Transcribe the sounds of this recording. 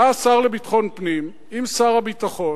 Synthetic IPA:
aːsaʁlebitχo̞npnim | imsaʁhabit̪aχo̞

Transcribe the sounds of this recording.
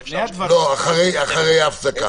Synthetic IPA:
loaχaʁejaχaʁejafsaka̰

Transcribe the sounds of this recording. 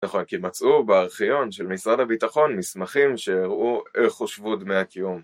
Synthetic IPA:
naχo̞nkimat͡sʔubeaʁχijo̞nʃelmisʁadhabitaχo̞nmismaχimʃejiʁʔueχoʃvudmeakijum

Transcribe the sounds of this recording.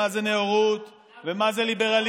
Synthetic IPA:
azeneoʁut̪ | vemazelibeʁal

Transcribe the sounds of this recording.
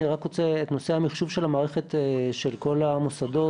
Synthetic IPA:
iʁakʁot͡seetno̞sehamiχʃuvʃelhamaːʁeχet̪eʃe̞lko̞lamusado̞

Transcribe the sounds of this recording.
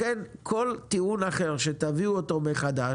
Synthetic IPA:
enkʰo̞lt̪iunaχe̞ʁʃet̪aviuot̪o̞meχad̪a

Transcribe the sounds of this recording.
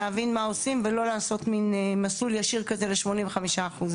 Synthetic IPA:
eavinmao̞simvelo̞laːso̞tminmasuljaʃiʁkaze̞leʃmo̞nĩmveχamiʃaːχuz

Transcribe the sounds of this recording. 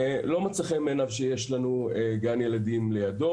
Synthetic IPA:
lo̞mat͡saχemeːnavʃejeʃlanueɡanje̞ladimle̞jado̞

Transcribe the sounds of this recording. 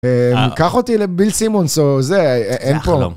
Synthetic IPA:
emikaχot̪ilebilsimonsozeʔenpo

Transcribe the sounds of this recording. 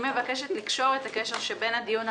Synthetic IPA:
mevakeʃet̪likʃo̞ʁet̪akeʃeʁʃebe̞nad̪ijun

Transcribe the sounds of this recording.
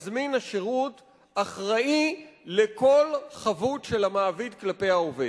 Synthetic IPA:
zminaʃeʁut | aχʁaʔilekʰo̞lχavutʃe̞lamaːvid̪klape̞jhaove

